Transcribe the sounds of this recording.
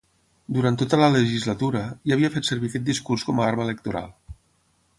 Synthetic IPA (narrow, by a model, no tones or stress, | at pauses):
d̪uɾant̪ot̪ələləʒizlət̪uɾəjaːβiəfet̪səɾβikɛt̪̚d̪iskurskɔmaɾmələk̚t̪uɾa̰lˠ